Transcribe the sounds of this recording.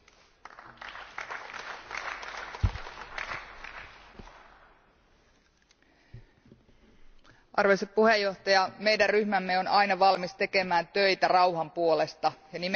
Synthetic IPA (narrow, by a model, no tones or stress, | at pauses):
ʔɑrʋeseppuhejːo̞ht̪ɑjɑme̞jdærryhmæmːe̞o̞nɑjnɑʋɑlmist̪e̞ke̞mæːnt̪øjt̪ærɑwɦɑmpuo̞le̞st̪ɑjɑnim